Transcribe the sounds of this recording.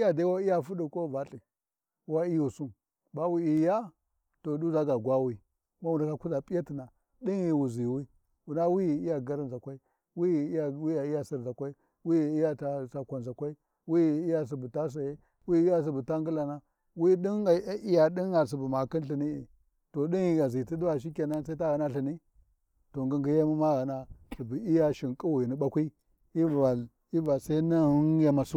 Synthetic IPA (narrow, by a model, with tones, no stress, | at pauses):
i˦ja˨da˦wa˦i˦ja˦fu˦di˨ko˦va˨ɬi˨˦ | wa˦i˦ju˨su˦n | ba˦wi˦i˨ja˦ | to˨du˦za˦ɡa˨ɡʷa˦wi˦ | ma˦wu˨nda˨ka˦ku˦za˨pʼi˦ja˦ti˨na˨ | ɗi˦nji˨wu˨zi˨wi˦ | wu˨na˦wi˦˨i˦ja˨ɡa˦ɾi˦nza˨kʷa˦i˦ | wi˦˨˦a˨wi˦ja˨i˦ja˦˨si˨ɾza˨kʷa˦i˦ | wi˦˨i˦ja˦ta˨sa˨kʷa˨nza˨kʷa˦i˦ | wi˦˨i˦ja˦˨s̬i˨bu˨ta˦s̬a˨je˦ | wi˦i˦ja˦s̬i˨bu˨ta˦ŋɡi˦la˨na˦ | wi˦ɗi˦n˨˦i˦ja˨ɗi˦a˨s̬i˨bu˨ma˨ki˦nɬi˨ni˦i˨ | to˨ɗi˦ni˨ɡa˨zi˨ti˦di˦a˨ʃ̬i˦ka˨na˦sa˦i˦a˦ɣa˨na˦ɬi˨ni˦ | to˨ŋɡu˦ŋɡi˦ja˦mu˦ma˦ɣa˨na˦si˨bi˨i˦ja˦ʃi˨ŋkʼu˦wi˨ni˦ɓa˦kʷi˦ | i˦va˨ | i˦va˨sa˦i˦na˦hu˦n˦ja˦ma˨su˦